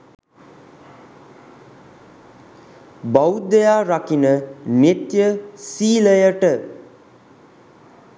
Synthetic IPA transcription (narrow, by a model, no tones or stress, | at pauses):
bʌwd̪əjaɾakinənet̪jəsiləjəʈə